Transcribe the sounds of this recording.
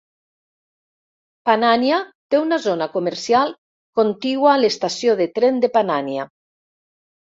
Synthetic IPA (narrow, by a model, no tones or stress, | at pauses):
pananjat̪eunazonakomeɾsialˠ | kont̪iɣwaːlest̪asjoðet̪ɾend̪epananja